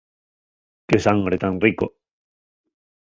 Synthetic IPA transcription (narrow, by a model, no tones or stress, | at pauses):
kesaŋɡɾet̪anriko̰